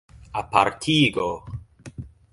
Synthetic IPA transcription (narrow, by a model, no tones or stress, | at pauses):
apaɾt̪ʰiɡo